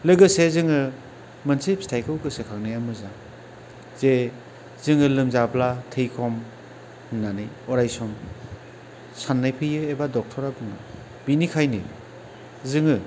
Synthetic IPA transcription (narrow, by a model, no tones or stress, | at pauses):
lɯɡɯsezɯŋɯ | mɯnsepstʰajkɯlkɯsekʰaŋnajamɯzaŋ | z̥e | zɯŋɯlɯmzablatʰɯjkʰɔm | nanɯj | ɔɾajsɔm | sanːajpʰɯjɯebadɔk̚tʰɔɾabɯŋɯ | b̥inikʰajnɯ̰ | zɯŋɯ